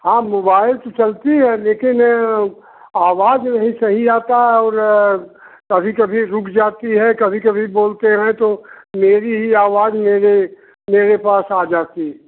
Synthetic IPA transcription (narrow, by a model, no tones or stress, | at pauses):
hãːmoːbaːɪlt̪ot͡ʃɐlt̪iɦɛleːkɪn | aːʋaːd͡ʒnɐ̃ɦĩsɐɦiaːt̪aɦɛɔːɾ | kɐbʱikɐbʱiɾʊkʰd͡ʒaːt̪iɦɛkɐbʱikɐbʱiboːlt̪eɦɛ̃t̪omeːɾiɦiaːʋaːd͡ʒmeːɾe | meːɾepaːsaːd͡ʒaːt̪iɦɛ